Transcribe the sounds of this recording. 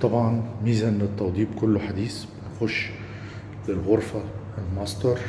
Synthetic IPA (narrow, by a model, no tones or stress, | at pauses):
t̪ˤɑbʕɑnmiːzanɪt̪ˤːɑwd̪ˤiːbkʊlːħad̪iːsbɪnxʊʃː | lɪlɣʊɾˤfa | lmɑsˤt̪ɑɾˤ